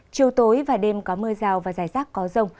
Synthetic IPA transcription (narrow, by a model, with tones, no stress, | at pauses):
t͡ɕi˨˩wt̪o˨˦jvaː˨˩ɗe˧mkɔ˨˦mɨ˧əzaː˨˩wvaː˨˩zaː˧˩jzaː˦˥k̚ːɔ˨˦zə˧wŋ͡m